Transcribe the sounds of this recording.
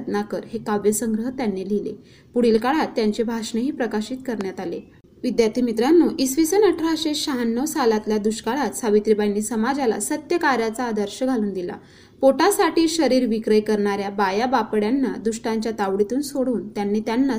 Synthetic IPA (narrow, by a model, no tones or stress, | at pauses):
d̪nakəɾɦekaʋjəsəŋɡɾəɦt̪janːelilḛ | puɽilkaɭat̪ːjaɲt͡ɕebʱaʂɳeɦiːpɾəkaɕiːt̪kəɾɳjat̪ale | ʋid̪jaɾt̪imit̪ɾanːuʔisʋisənəʈʰɾaɕeɕaɦanːəʋsalat̪ljad̪uɕkaɭat̪saʋit̪ɾibajniːsəmad͡zala̰sət̪jəkaɾjat͡saːd̪əɾɕəɡʱaluːnd̪ila̰ | poʈasaʈiːɕəɾiːɾʋikɾəjkəɾɳaɾjabajabapɽjanːad̪uʂʈaɲt͡ɕjat̪aʋɽit̪uːnsoɽuːnt̪janːiːt̪janːa